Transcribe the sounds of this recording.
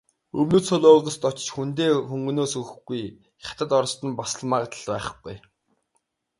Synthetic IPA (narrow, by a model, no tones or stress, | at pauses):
ɵmnoːt͡sʰʊɮʊːʁə̆st̪ɔt͡ɕt͡ɕxunt̪̬eːxɵŋɡɵ̆noːsɵxɘ̆ɡuj | χʲat̪ə̆t̪ɔɾɞ̆st̪ə̆npɔsə̆ɮmaːʁ̆t̪ə̆ɮpæːχ̆ɡ̥uj